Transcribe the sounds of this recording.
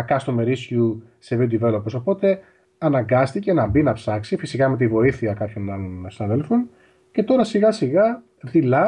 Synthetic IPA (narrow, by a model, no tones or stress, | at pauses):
kɐst̪ome̞ɾisçu | sevid̪ive̞loposo̞po̞t̪e̞ | ɐnɐŋɡɐst̪ice̞nɐbinɐpsɐksifisikɐme̞t̪ivo̞iθiɐkɐpço̞nɐlo̞nsinɐðe̞lfon | ce̞t̪o̞ɾɐsiɣɐsiɣɐ | ðilɐ